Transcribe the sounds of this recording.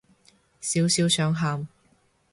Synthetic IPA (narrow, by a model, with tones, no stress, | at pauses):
siː˨˥wsiː˨˥wsœː˨˥ŋɦaː˧m